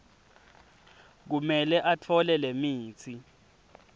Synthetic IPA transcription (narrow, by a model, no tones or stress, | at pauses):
k̬umɛlɛʔatʰɔlɛlemiːt͡sʰi